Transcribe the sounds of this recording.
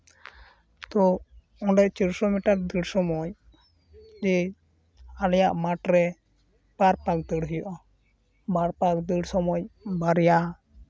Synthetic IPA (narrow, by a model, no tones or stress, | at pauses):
t̪ɔ | ɔ̃ɖɛʔt͡ʃiɾsɔmiʈaɾd̪iɽsɔmɔj | d͡ʒɛ | anjaʔmaʈɾɛ | b̥aɾpak̚d̪əɽɦujɔʔɔ | baɾpakd̪əɽsɔmɔjbaɾja